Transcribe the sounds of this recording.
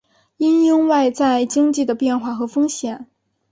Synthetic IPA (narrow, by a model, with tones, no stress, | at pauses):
i˥njʊ˥ŋwa˥˧ɪt͡sa˥˩ɪt͡ɕi˥ŋt͡ɕi˥˩d̪ə˩pjɛ˥˧nxwa˥˩xɤ˧˥fɤ˥ŋɕjɛ˨˩˦n